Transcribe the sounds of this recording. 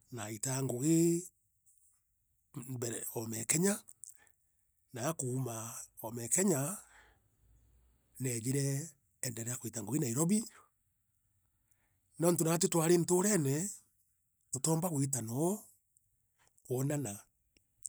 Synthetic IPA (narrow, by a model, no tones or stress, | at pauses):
naitaŋɡoɣe | bɛɾɔmɛkɛɲa | naːkumaɔmɛkɛɲa | lɛd͡ʒiɾɛː | ndɛɾɛjakoitaŋɡoɣinaiɾɔβi | nɔntonat̬etwaɾentoɾɛnɛ | totɔːmbaɣwit̬anɔ | onana